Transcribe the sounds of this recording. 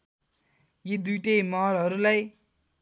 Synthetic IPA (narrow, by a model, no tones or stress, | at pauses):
jed̪ujʈejmʌɦʌlɦʌɾulaj